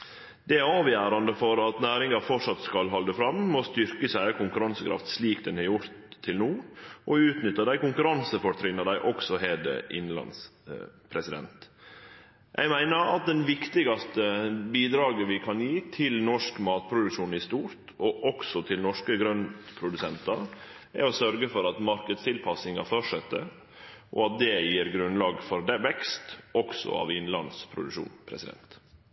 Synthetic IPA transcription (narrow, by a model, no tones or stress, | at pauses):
d̪̥ɛæɾɑːʋjæːɾɑnd̪əfɔɾɑt̪næːɾɪŋɑfɔʈʂɑt̪skɑlɦɑld̪əfɾɑmmɔst̪ʏɾkəsæɪɑkʰʊŋkʉɾɑnsəkʰɾɑ̰ft̪sliːkd̪ɛnhɑɾjʊɾt̪ʰːɪlnuːʔɔʉːt̪nʏt̪ːəd̪æɪkʊŋkʉɾɑnsəfɔɾt̪ʰɾɪnːəd̪æɪʔɔksɔɦeːd̪ə̰ʔɪ̰nlɑ̰nspʰɾɛsɪd̪ɛ̰nt̪ | jʔɛ̰ɪɡmæɪnəɾɑ̰t̪̚d̪ɛnʋɪkt̪ɪɡɑst̪əbiːd̪ɾɑːɡəʋɪkʰɑnjiːt̪ʰɪlnɔʂkmɑːt̪̚pʰɾʊd̪ʉkʂuːnɪst̪uːɾt̪ɔʔɔksɔt̪ʰɪlnɔʂkəɡɾœnt̪pʰɾʊd̪ʉsɛnt̪ɑ | æ̰ɾɔsœɾɡəfɔɾɑt̪mɑɾkəd̪st̪ʰɪlpʰɑsɪŋɑfœʂɛt̪ːə | ʔɔ̰ɑt̪̚d̪ɛjiːɾɡɾʉnlɑːɡfɔɾd̪ɛʋɛkst̪ɔksɔ̰ɑ̰ʋɪnlɑ̰nspʰɾʊ̰d̪ʉʂṵːnpʰɾɛ̰sɪd̪ɛ̰nt̪